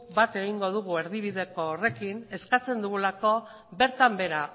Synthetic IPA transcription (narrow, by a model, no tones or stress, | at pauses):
bat̪e̞ɣ̞iŋɡo̞ð̞uɣ̞ue̞ɾðiβ̞iðe̞ko̞ːre̞kine̞skat͡se̞nd̪uɣ̞ulako̞ | be̞ɾt̪ambe̞ɾa